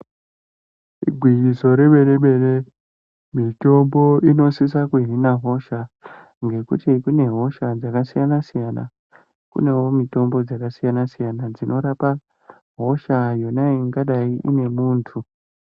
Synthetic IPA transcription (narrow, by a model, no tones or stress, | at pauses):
ḭɡʱwiiso̞ɾe̞ɓe̞ɗeɓe̞ɗe | mito̞mbo̞ino̞sisakuɦinaɦo̞ʃa | ŋɡe̞kṵtikune̞ɦo̞ʃad͡zakasijanasijana̰ | kṵne̞wo̞mito̞mbo̞d͡zakasijanasijanad͡zino̞ɾapa | ɦo̞ʃajonaiŋɡaɗaiʔḭne̞muːntʰu